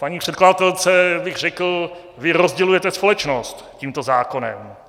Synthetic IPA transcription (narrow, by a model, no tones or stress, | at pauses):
paɲiːpr̥ɛt̪kladat̪ɛlt͡sɛbɪɣrɛkl̩ | vɪɾozɟɛlujɛt̪ɛspolɛt͡ʃnost̪ciːmt̪ozaːko̞nɛ̰m